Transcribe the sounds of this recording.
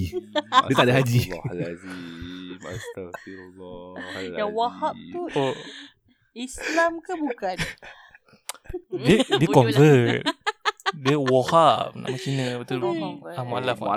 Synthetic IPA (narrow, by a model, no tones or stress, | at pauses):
diət̪adaɦad͡ʒii | at̪il | jawahap̚t̪uo | islamkabukan | dədiəkɔnvət̪̚ | diəwahap̚na̰ʔmət͡ʃinə̃bat̪ulamalaf